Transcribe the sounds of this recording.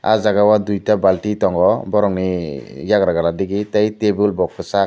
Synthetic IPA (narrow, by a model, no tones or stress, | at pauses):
a̰d͡ʒaɡawad̪ujtabalʈit̪ɔŋɡɔbɔɾɔŋnijaɡɾaɡaladiɡit̪ajt̪ebulbɔk̚fʰusa